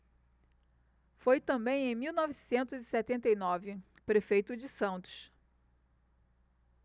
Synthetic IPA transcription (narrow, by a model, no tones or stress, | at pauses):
fojt̪ɐ̃mbẽj̃ẽj̃miwnɔvisẽnt̪ʊzisɛt̪ẽnt̪ejnɔvɪ | pɾefejt̪ʊd͡ʒɪsɐ̃nt̪ʊ̥ʃ